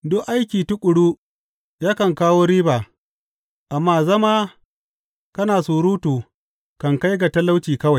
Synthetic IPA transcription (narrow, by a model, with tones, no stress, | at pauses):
dʊ˦kʔa˦jkʲiː˨tʊ˦kʷʼʊ˨ɽuː˦ | jaː˦kɐ˨ŋkaː˦woː˦ɾiː˦baː˨ | ʔa˨mːaː˦˨zɐ˦maː˦ | kɐ˦naː˨suː˨ɾuː˦tuː˨ | kɐ˨ŋka˦jɡa˨tɐ˦la˦wt͡ʃiː˨kɐ˦wa˨j